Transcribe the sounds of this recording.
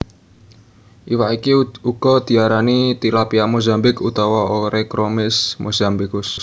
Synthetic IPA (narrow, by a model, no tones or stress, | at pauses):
ʔiwaʔikiuɡ̥ɔ̤d̪̥i̤aɾanit̪ilapiamozambɪkut̪awaoɾɛkɾomɪsmozambikʊs